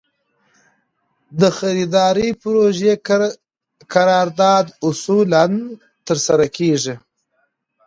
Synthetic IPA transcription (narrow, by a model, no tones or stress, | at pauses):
d̪əxaɾid̪ɑɾipɾoʒe | kʰaɾɑːɾd̪ɑːd̪ʊsulan | t̪əɾsaɾakʰeʐi